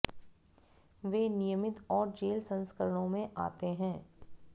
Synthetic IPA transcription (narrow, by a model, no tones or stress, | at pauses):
ʋeːnɪjəmɪt̪ɔːɾd͡ʒeːlsɐ̃nskəɾəɽ̃õmẽʔa̰ːt̪eɦɛ̃ː